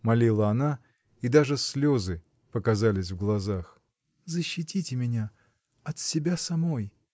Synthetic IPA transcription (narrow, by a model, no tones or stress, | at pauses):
mɐlʲilˠəɐna | id̪aʐɨsʲlʲo̞zɨ | pəkɐzalʲɪsʲvɡlˠɐzax | zəɕːɪtʲitʲɪmʲɪnʲa | ɐt̪sʲɪbʲasɐmo̞j